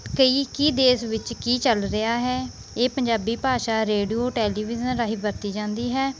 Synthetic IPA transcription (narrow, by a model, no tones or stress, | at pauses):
kəiːkiːd̪eːsʋɪt͡ʃkiːt͡ʃəlɾɪaːɦɛː | eːpəɲd͡ʒaːbiːpaːʃaːɾeːɖioːʈɛːliːʋɪzənɾaːɦiːbəɾt̪iːd͡ʒãːnd̪iːɦɛː